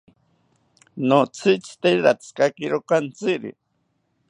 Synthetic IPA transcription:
not͡sʰit͡si̥t̪eɾat͡skakiɾokant͡siɾḭ

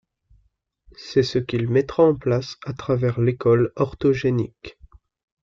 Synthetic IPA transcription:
sɛsəkʲilmɛt̪χaɑ̃plasat̪χavɛʁlekɔlɔʁt̪ɔʒenḭk

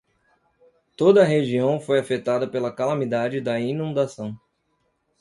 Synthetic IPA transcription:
t̪od̪ɐːɦeʒiɐ̃w̃fojafet̪ad̪ɐpelɐkalamid̪ad͡ʒɪd̪ɐinũnd̪asɐ̃w̃

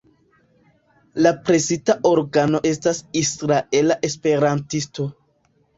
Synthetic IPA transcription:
lapɾe̞zitaʔo̞ɾɡano̞ʔe̞stasisɾaʔe̞laʔe̞spe̞ɾantisto̞

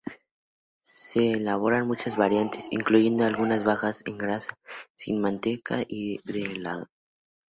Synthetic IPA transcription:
seːlaβ̞o̞ɾanmut͡ʃazβaɾjant̪ʰesḭŋkluʝe̞nd̪oalɣunazβaxasḛŋɡɾasasḭnmãnt̪e̞ka̰ʔiðelaðo

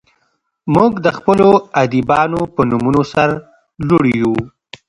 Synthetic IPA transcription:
muɡd̪əxpəload̪ibɑnopənumunosaɾ | loɽiju

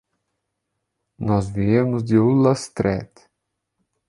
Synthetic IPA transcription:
nɔzviemʊzd̪ɪulɐst̪ɾɛt̪

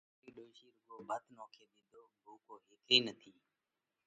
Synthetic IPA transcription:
iːɗoːʃiːɾʊɡoːbʱət̪noːkʰeːd̪ɪːd̪ʱoːbʱoːkoːɦeːkɾiːnət̪ʰiː

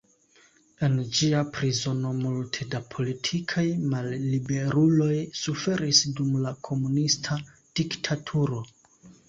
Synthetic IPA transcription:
e̞nd͡ʒiapɾizo̞no̞multʰedapʰo̞litʰikʰajmalːibe̞ɾulo̞jsufe̞ɾisdumlakʰo̞munistʰa | d̥iktʰatʰuɾo̞

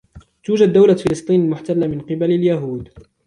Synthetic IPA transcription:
t̪uːd͡ʒad̪ːawlafɪlɨsˤt̪ˤiːnalmʊħt̪alːamɪnqɨbalaljaɦuːd̪

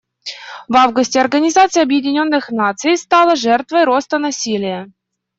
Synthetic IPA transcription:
vavɡʊsʲtʲɪɐrɡənʲɪzat̪sɨjɐbjɪdʲɪnʲo̞nːɨxnat̪sɨjst̪ɑlˠəʐɛrt̪vəjɾo̞st̪ənɐsʲilʲɪjə

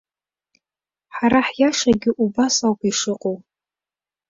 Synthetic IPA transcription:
ħaɾaħjaʂaɡʲɪʔubasawkʰʷiʂɨqʼow

